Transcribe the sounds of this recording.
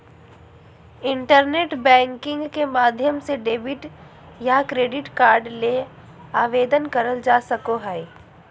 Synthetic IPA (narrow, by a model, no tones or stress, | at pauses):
ɪ̃ɳʈəɾneːʈbɛ̃ːŋkɪ̃ŋɡkemaːd̪ʱjəmseɖeːbɪʈ | jakɾeːɖɪʈkaːɾɖle | aːʋeːd̪ənkɐɾəld͡ʒaːsəkoɦɛe